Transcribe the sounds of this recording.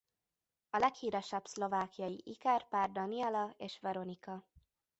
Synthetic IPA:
ɒlɛkhiːɾɛʃɛbslo̞vaːkijɒjiʔikɛrpaːrd̪ɒniɛlɒeːʃʋɛɾo̞nikɒ

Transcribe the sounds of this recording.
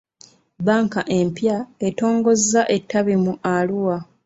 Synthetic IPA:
baːŋkaʔe̞mpjae̞to̞ːŋɡo̞zːaʔe̞tːaβimuʔaluwa

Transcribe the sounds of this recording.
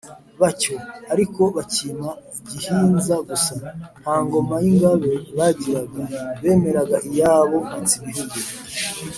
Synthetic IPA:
βaco̞aɾiko̞βacima | ɟihiːnzaɡusahaːŋɡo̞majiŋɡaβe̞βaɟiɾaɡaβe̞ːme̞ɾaɡaʔijaːβo̞mit͡siniɦuɡe

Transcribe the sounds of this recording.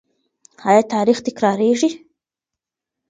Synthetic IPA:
hɑjɑt̪ɑɾixt̪ɪkɾɑɾeʐi

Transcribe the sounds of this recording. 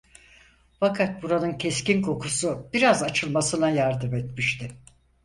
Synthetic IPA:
fakʰat̪̚buɾanɯncʰescinkʰo̞kʰusub̥iɾazat͡ʃʰɯlˠmasɯnajaɾd̪ɯmet̪miʃt̪ʰɪ

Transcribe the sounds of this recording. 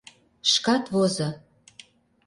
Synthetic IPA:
ʃkɑt̪βozɤ

